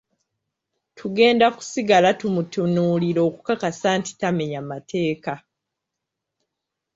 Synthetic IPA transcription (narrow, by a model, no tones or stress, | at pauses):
tʰuɡe̞ːndaku̥siɡalatumutunuːliɾo̞ːku̥kakasaːnti̥tameɲamatʰe̞ːka